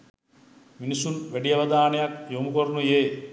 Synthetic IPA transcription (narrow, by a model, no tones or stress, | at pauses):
minisunʋæɖiɐʋɐd̪aːnɐjakjomukoɾnujeː